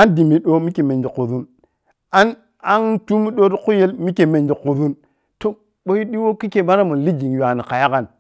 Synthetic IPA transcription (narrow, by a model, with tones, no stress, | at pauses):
a˦ndi˨mi˨ɗo˦mi˦ke˨me˨nd͡ʒi˨ku˨ðu˦n | a˦n | a˦ntu˦mi˦ɗo˦ɾi˦ku˦je˦lmi˦ke˨me˨nd͡ʒi˨ku˨ðu˦n | to˦ | ɓo˦ji˦ɗi˦wo˦ki˦ke˦˨ba˦ɾa˦mu˨n˨li˦d͡ʒi˨ŋja˨ni˨ka˨ja˦ka˨n